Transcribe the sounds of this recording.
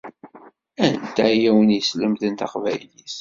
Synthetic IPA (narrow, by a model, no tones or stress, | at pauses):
ænt̪æjæwənjəsləmðənt̪ɑqvæjliθ